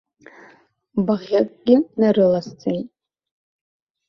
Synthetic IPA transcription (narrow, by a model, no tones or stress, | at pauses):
baʁʲakʼɡʲɪnaɾɨlast͡sʰʼejtʼ